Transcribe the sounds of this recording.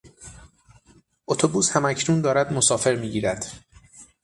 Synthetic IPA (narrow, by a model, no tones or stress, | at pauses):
ʔo̞t̪ʰobuːshæmæcʰnuːnd̪ɒːɾæd̪mo̞sɒːfe̞ɾmiːɟiːɾæd̪̥